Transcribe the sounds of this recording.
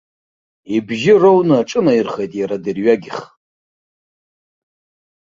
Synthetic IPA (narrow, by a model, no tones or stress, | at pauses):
ibʒɪrownɨaʈ͡ʂʼɨnairχejtʼjaɾadirɥaɡʲiɪχ